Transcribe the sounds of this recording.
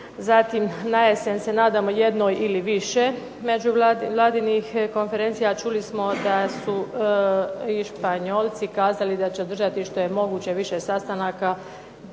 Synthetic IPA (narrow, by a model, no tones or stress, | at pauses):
zat̪imnajesense̞naːd̪amojed̪no̞ːjiliʋiʃe̞ | me̞d͡ʒuʋlaʋlˠaːd̪inixko̞nfe̞ɾe̞nt̪sijat͡ʃulismo̞d̪asu | iʃpaɲo̞ːlˠt̪sikaːzalid̪at͡ɕeod̪ɾr̩ʒat̪iʃt̪o̞jemo̞ɡuːt͡ɕe̞ʋiʃesast̪anaka